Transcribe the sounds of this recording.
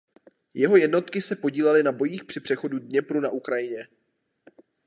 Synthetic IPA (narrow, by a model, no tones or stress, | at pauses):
jɛɦo̞jɛdno̞t̪kɪsɛpo̞ɟiːlɛlɪnabo̞jiːxpr̥ɪpr̝̥ɛxo̞dudɲɛpɾunaʔukɾajɪɲɛ